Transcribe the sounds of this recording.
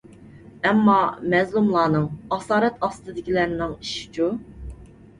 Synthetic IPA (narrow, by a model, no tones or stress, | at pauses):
ɛmːɑmɛzlˠumlˠɑːnɨŋɑsɑːɾɛt̪ɑst̪ɨd̪ɪkʲilæɾnɪŋiʃi̥t͡ʃʰu